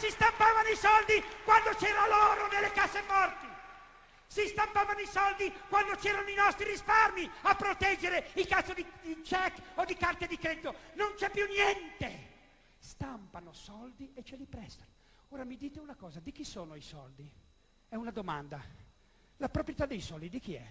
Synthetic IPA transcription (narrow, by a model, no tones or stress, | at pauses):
sist̪ampaːvanoisɔld̪ikwand̪ot͡ʃɛːɾaloːɾonelːekazːefɔrt̪i | sist̪ampaːvanoisɔld̪ikwand̪ot͡ʃɛːɾanoinɔst̪ɾiɾisparmiapːɾot̪ɛd͡ʒːeɾeilkasod̪id̪it͡ʃɛkːod̪ikart̪ed̪ikɾed̪it̪onont͡ʃɛpːjunjɛnt̪e | st̪ampanosɔld̪iet͡ʃːelipɾɛst̪ḁno | oːɾamid̪iːt̪eunakɔːzad̪ik̟isoːnoisɔ̰ld̪i | ɛunad̪oma̰nd̪a | lapɾopɾjet̪ad̪ːejsɔld̪id̪ik̟iɛ̰